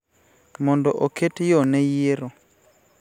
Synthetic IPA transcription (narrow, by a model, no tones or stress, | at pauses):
mɔndɔʔoketjonɛjiɾo